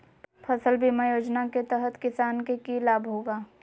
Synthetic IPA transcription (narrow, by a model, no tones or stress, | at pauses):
pʰəsəlbʱimajoːd͡ʒnaket̪əɦət̪kɪsaːnkekilaːbʱɦoːɡaː